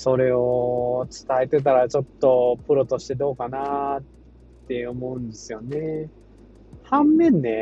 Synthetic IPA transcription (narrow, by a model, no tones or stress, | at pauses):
so̞ɾe̞ot͡sɨ̥t̪aet̪e̞t̪̬aɾat͡ɕo̞t̪ːo̞pɯ̟ɾo̞t̪o̞ɕi̥t̪e̞d̪o̞ːkana | e̞ɯomo̞ɯ̃nd̪e̞sɨjo̞ne̞ | hãmːẽ̞nːe̞